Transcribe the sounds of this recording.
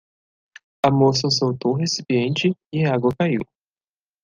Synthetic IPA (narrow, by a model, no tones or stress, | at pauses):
ɐmos̬ɐsowt̪owɦesipiẽnt͡ʃɪɪaɡwɐkaiw